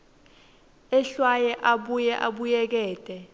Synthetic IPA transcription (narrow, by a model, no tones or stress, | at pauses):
ɛɬwajɛʔaɓujɛʔaɓujɛk̬ɛːtʼɛ